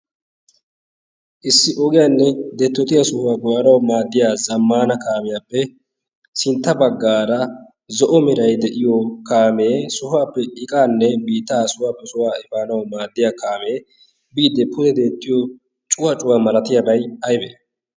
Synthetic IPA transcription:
ʔɪsːɪʔɔɡɪjaːnːɛd̪ɛt̪ːɔt̪ɪjasʊhʊaːɡɔwɐɾɐwmaːd̪ːɪjaːzɐmːaːnɐkaːmɪjaːpːɛ | sɪnt̪ːɐbɐɡːaːɾɐ | zɔʔɔmɪɾɐjd̪ɛʔɪjɔkaːmeːsʊhʊaːpːɛɪkʼaːnːɛbiːt̪ːaːsʊwaːpːɛsʊwaːɪfaːnɐwmaːd̪ːɪjaːkaːmeː | biːd̪ːɛpʊzɛd̪e̞ːt̪ːɪjɔ | t͡ʃʼʊwɐt͡ʃʼʊwaːmɐɾɐt̪ɪjɐbɐjhɐjbɛ̰

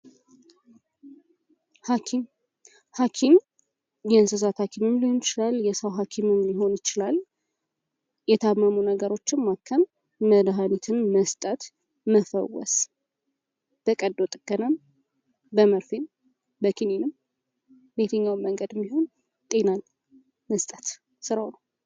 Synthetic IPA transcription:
hakʰim | hakʰim | jɛɨnsɨzat̪hakʰimɨmliho̞nɪt͡ʃɪlaljɛsəwɦakʰimɨmliɦo̞njɪt͡ʃɪlal | jɛt̪ʰamːəmunəɡəɾo̞t͡ʃːɪnmakʰːəmː | əd̪ɦanit̪ʰɨnməst̪ʼət̪ | məfə̰wɔ̰s | b̥əkʼəd̪ːot̪ʼɨɡənam | bəməɾfem | bəkʰinenɨm | bet̪ʰəɲːawməŋɡəd̪ɛmːiho̞n | t̪ʼe̞nan | məst̪ʼət̪ | sɨɾawnəw

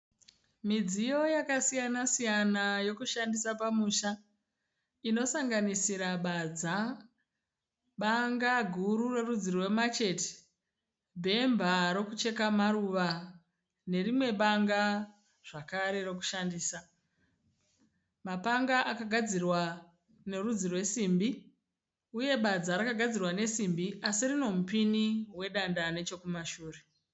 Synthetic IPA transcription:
mid͡zijo̞jakasijanasijanajo̞kuʃandisapamuʃa | ino̞saŋɡanisiɾaɓad͡za | ɓaŋɡaɡʱuɾure̞rud͡zirwe̞mat͡ʃe̞ti̥ | bʱe̞mbʱaɾo̞kut͡ʃe̞kamaɾuːʋa | ne̞rimwe̞ɓaŋɡa | ʐ̥akaɾe̞ɾo̞k̬u̥ʃandiːsa | mapaŋɡaʔakaɡʱad͡zirwa | ne̞ɾud͡zirwe̞siːmbi | uje̞ɓad͡zaɾakaɡʱad͡zirwane̞simbiʔasirino̞mupiniwe̞ɗandane̞t͡ʃo̞kumaʃuːre

